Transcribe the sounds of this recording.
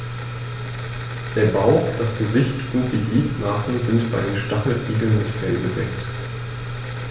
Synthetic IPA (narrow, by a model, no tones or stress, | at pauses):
d̥eːɐbaʊd̥asɡ̥əzɪçtʔʊntd̥iːɡliːtmasn̩zɪntb̥aɪdeːnʃtaχl̩ʔiːɡl̩nɪntfɛlbədɛ̰k̚t